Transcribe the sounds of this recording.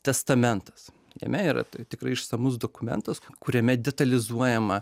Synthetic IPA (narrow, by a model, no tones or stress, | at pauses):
t̪ʲɛst̪ɐmʲɛnt̪ɐ̥s | jɛ̰mʲɛiːɾɐ̰t̪t̪ʲɪkɾɐɪɪʃsɐmʊs̬d̪oːkʊmʲɛ̰nt̪ɐskʊɾʲɛmʲɛd̪ʲɛt̪ɐlʲɪzuɔjɛmɐ